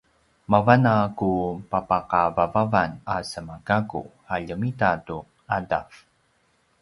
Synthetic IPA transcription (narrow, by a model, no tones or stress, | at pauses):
mavanakupapaqavavavanasəmakakṵ | aʎəmitatu | ada̰f